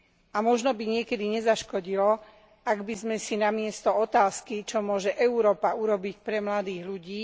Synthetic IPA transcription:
amɔʒnɔbiɲɪɛkɛd̪iɲɛzaʃkɔɟilɔ | aɡbizmɛsinamɪɛst̪ɔɔt̪aːskit͡ʃɔmʊɔʒɛʔɛuɾɔːpauɾɔbicpɾɛmlad̪iːɣʎuɟiː

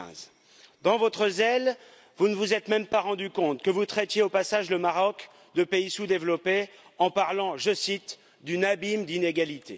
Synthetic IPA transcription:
z | d̪ɑ̃vɔt̪χəzɛl | vunəvuzɛt̪mɛmpaʁɑ̃d̪ykɔ̃t̪kəvut̪χɛt̪jeopasaʒləmaʁɔk | d̪əpeisud̪evlɔpeɑ̃paʁlɑ̃ʒəsit̪ | d̪ynabimd̪ineɡalit̪ʰe

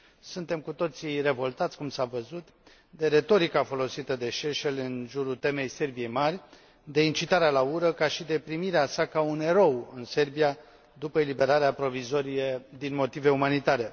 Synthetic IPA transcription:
sunt̪e̞mkut̪o̞t̪sire̞vo̞lt̪at̪sʲkumsavəzut̪ | d̪e̞ɾe̞t̪o̞ɾikafo̞lo̞sit̪əd̪e̞ʃe̞ʃelɨnʒuɾut̪e̞me̞jse̞rbije̞jmarʲ | d̪e̞int͡ʃit̪aɾealauɾəkaʃid̪e̞pɾimiɾeasakaune̞ɾo̞wɨnse̞rbija | d̪upəelibe̞ɾaɾeapɾo̞vizo̞ɾijed̪inmo̞t̪ive̞umanit̪aɾe̞

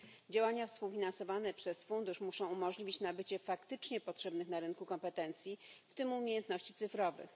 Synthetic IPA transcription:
d͡ʑawaɲafspuwfʲinansɔvanɛpʂɛsfund̪uʂmuʂɔ̃w̃umɔʐlʲivʲit͡ɕnabɘt͡ɕɛfakt̪ɘt͡ʂɲɛpɔtʂɛbnɘxnaɾɘnkukɔmpɛt̪ɛnt̪sʲjift̪ɘmumʲjejɛnt̪nɔɕt͡ɕit̪sɘfɾɔvɘ̰x

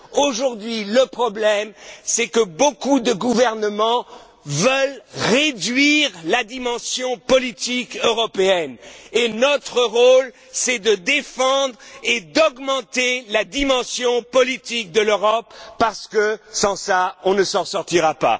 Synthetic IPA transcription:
oʒuʁd̪ɥiləpχɔblɛmsɛkəbokud̪əɡuvɛʁnəmɑ̃ | vəlʁed̪ɥiʁlad̪imɑ̃sjɔ̃pɔlit̪ikøʁɔpeɛnenɔt̪χəʁol | sɛd̪əd̪efɑ̃d̪ʁed̪ɔɡmɑ̃t̪elad̪imɑ̃sjɔ̃pɔlit̪ik̚d̪əløʁɔpːaʁsə̥kəsɑ̃saɔ̃nəsɑ̃ʁsɔʁt̪iʁapa̰

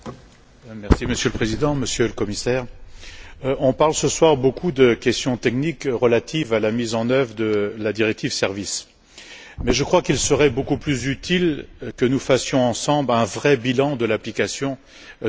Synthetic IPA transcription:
mɛʁsiməsjøləpχezid̪ɑ̃məsjøləkɔmisɛːʁ | ɔ̃paʁlsəswaʁbokʰud̪əkʲɛst̪jɔ̃t̪ɛknikʁəlat̪ʰivalamizɑ̃nœvʁəd̪əlad̪iʁɛk̚t̪ivsɛʁvis | mɛʒəkχwakilsəʁɛbokuplyzyt̪ʰilkənufasjɔ̃ɑ̃sɑ̃blɛ̃vʁɛbilɑ̃d̪əlaplikasjɔ̃

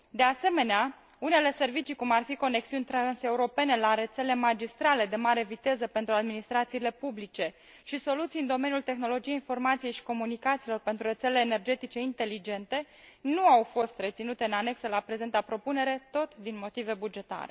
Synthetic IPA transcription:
d̪e̞ase̞me̞nea | une̞le̞se̞rvit͡ʃikumarfiko̞ne̞ksiunʲt̪ɾanse̞uɾo̞pe̞ne̞laɾe̞t̪se̞le̞mad͡ʒist̪ɾale̞d̪e̞maɾe̞vit̪e̞zəpe̞nt̪ɾuad̪minist̪ɾat̪siːle̞publit͡ʃe̞ | ʃiso̞lut̪sijɨnd̪o̞me̞njult̪e̞xno̞lo̞d͡ʒijeinfo̞rmat̪sije̞jʃi̥ko̞munikat̪silo̞rpe̞nt̪ɾuɾre̞t̪se̞leːne̞rd͡ʒe̞t̪it͡ʃe̞int̪e̞lid͡ʒe̞nt̪e̞ | nuawfo̞st̪re̞t̪sinut̪e̞ɨnane̞kselapɾe̞ze̞nt̪apɾo̞pune̞ɾe̞t̪o̞t̪d̪inmo̞t̪ive̞bud͡ʒe̞t̪a̰ɾe̞̰

